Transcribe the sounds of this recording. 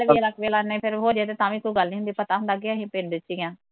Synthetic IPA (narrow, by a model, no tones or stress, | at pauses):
lʋləkʋeːlanːẽːpʰɪɾɦoːɾaːt̪eːt̪ãːʋĩːkuɡəlnĩːɦʊnd̪iːpət̪aːɦʊnd̪aːɡeːəɦĩːpeːnd̪ɪt͡ʃːiãː